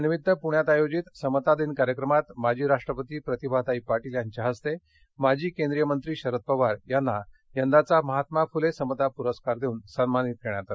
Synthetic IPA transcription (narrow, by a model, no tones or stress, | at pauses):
niʋid̪ʱːəpuɳjat̪ajod͡ʑit̪səmət̪ad̪iːnkaɾjəkɾəmat̪mad͡ʑʱiːɾaʂʈɾəpət̪iːpɾət̪ibʱat̪aipaʈiljaɲt͡ɕaɦəst̪e | mad͡ʑʱiːkẽnd̪ɾijəmənt̪ɾiːɕəɾət̪̚pəʋaɾjanːa | jənd̪at͡saməɦat̪mafulesəmət̪apuɾəskaɾd̪ʱeuːnsənmanit̪̚keɳ̃jat̪a